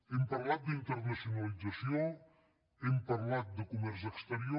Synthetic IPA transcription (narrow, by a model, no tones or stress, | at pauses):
empaɾlat̪̚d̪int̪əɾnasjunalizasjo | empaɾlat̪̚d̪əkumɛɾs̬ekst̪əɾjo